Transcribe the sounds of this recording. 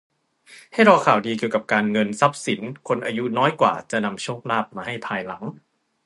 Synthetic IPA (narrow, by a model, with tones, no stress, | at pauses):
ha˥˩jɾɔː˧kʰaː˨˩wdiː˧ki˨˩əwka˨˩p̚kaː˧nŋɤ˧nsa˦˥p̚si˩˦nkʰo˧nʔaː˧ju˦˥nɔː˦˥jkwa̰ː˨˩t͡ɕa˨˩ʔna˧mt͡ɕʰu˥˩ək̚laː˥˩p̚maː˧ha˥˩jpʰaː˧jla˩˦ŋ